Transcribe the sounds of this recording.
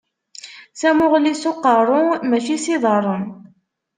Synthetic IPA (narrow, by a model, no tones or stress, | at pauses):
sæmʊʁlisoqːəɾˤʊmæt͡ʃisiðˤəɾˤən